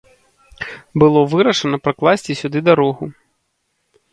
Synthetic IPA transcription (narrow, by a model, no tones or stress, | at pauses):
bɨlˠɔvɨɾɐʂɐnɐpɾaklˠasʲt͡sʲisʲud̪ɨd̪aɾɔɣu